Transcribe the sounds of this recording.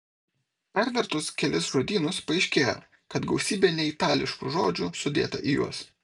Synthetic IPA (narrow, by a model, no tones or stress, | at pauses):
ɛɾʲd̪ʲɐɾt̪ʊskʲɛlʲɪsʒoːd̪ʲiːnʊspɐɪʃʲkʲeːjo̰ | kɐt̪ɡɒʊsʲiːbʲeːnʲɛit̪ɑːlʲɪʃkṵʒoːd͡ʒʲʊsʊd̪ʲḛːt̪ɐ̰ʔijṵɔs